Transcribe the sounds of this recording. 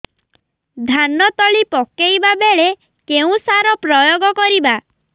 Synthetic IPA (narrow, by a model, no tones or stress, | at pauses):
d̪ʱanɔt̪ɔɭipɔkejbabeɭe | keũsaɾɔpɾɔjoɡɔkɔɾiba